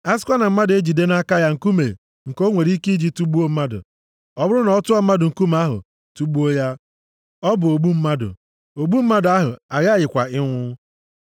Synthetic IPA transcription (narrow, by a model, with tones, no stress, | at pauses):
a˦s̬ɪ̥˦kʷa˦na˨m̩˦ma˦de˦d͡ʒi˨de˦na˦ka˦ja˦ŋ̩˨ku˦mḛ˨ | ŋ̩˨ko˦ŋʷe˨ɾi˦ki˦d͡ʒi˦tu˦ɡ͡bu˦o˦m̩˦ma˦dʊ̰˨ | ɔ˦bʊ˦ɾʊ˦n˨ɔ˦tʊ˦ɔ˦m̩˦ma˦dʊ˨ŋ̩˨ku˦m˨a˦ɦʊ̰˨ | tu˦ɡ͡bu˦o˦ja˦ | ɔ˦bʊ˨o˨ɡ͡bu˦m̩˦ma˦dʊ̰˨ | o˨ɡ͡bu˦m̩˦ma˦dʊ˨a˦ɦʊ̰˨a˨ɣa˦jɪ˨kʷa̰˨ɪ˦ŋʷʊ˦